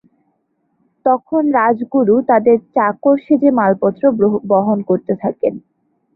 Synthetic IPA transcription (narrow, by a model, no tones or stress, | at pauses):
t̪ɔkʰonɾad͡ʑɡuɾut̪ad̪eɾt͡ɕakoɾʃed͡ʑemalpɔt̪ːɾobɔɦonkoɾt̪et̪ʰaken